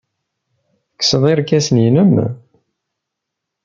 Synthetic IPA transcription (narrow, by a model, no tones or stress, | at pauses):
kːsəðˤiɾkːæsənjinəm